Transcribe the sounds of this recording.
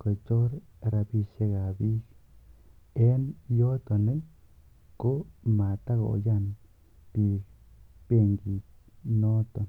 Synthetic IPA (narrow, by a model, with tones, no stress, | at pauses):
ko˨t͡ʃo˦ɾ | ɾa˧bi˧ʃe˧ɡa˨bi˦k | e˦njo˦t̪o˨ni˦ | ko˦ma˨t̪a˦ɡo̰˨ja˦˧n | t̪i˧kb̥e˦˧ŋɡi˧no˦t̪o˨n